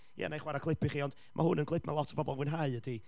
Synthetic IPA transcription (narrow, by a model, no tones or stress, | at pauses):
jɛ̰nejχwaɾakʰlˠɪpʰɪχiːɔnd̥ | mʔa̰hʊnənkʰlɪpʰmalˠɔtʰə̥bɔbɔlˠwɪnɦaɨədi